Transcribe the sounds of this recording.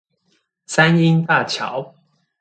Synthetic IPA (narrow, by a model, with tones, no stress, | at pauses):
sa˦ni˦ŋt̪a˥˨t͡ɕʰjɑ̰˨˦ʊ